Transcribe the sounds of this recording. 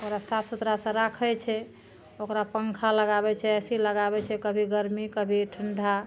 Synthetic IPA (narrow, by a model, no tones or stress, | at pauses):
okɾasapsut̪ɾasə̃ɾakʰət͡ʃʰɛ | okɾapəŋkʰaləɡabɛt͡ʃʰɛsiləɡabɛt͡ʃʰɛkəbʱiɡəɾmikəbʱiʈʰəɳɖʱa